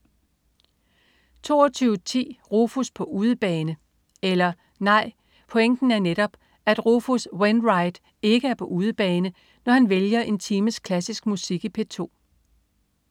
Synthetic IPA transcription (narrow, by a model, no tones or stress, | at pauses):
t͡sʰo̝̰ːɒt͡sʰyːʊət͡sʰḭːʁofuspʰɒ̽ʔuːð̞ˠəb̥ɛːnə | elɐ | nɑ̈ɪ̰ | pʰɔ̽eŋ̰d̥n̩æɐneɾ̥ɒ̽b̥ | æd̥ʁofuswenʁɑ̈ɪd̥ | e̝ɡ̥əæɐpʰɒ̽ʔuːð̞ˠəb̥ɛːnə | nɒhænʋeljɐʔe̝nt͡sʰiːməskʰlæsisɡ̥̚musiɡ̥ipʰe̝t͡sʰo̝̰ː